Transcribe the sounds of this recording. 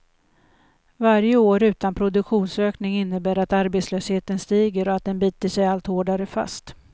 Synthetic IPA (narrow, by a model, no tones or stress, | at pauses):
vaɾjəoːɾʉ̟ːt̪anpʰɾʊd̪ɵkɧuːnsøːknɪŋɪnːəbæːɾat̪aɾbeːt̪sløːsheːt̪ənst̪iːɡəɾɔat̪̚d̪ɛnbyːt̪əʂɛjalt̪hoːɖaɾəfa̰st̪